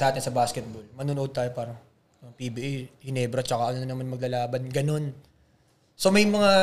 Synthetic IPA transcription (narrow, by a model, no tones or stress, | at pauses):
saːt̪ɪnsɐbaːskɛt̪̚bolmɐnuːnʊʔo̞d̪̚t̪aːjo̞paːɾɐŋ | ɐŋpibiʔɛhɪnɛbɾɐt͡ʃɐkaʔɐnonnɐmanmɐɡ̚lɐlaːbɐnɡɐno̞n | so̞mɐjmɐŋa